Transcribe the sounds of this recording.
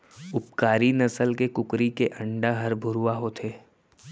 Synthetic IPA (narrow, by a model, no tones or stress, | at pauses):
ʊpkaːɾinɐsəlkekʊkɾikeʔɐ̃ɳɖaɦɐɾbʱʊɾuwaɦot̪ʰeː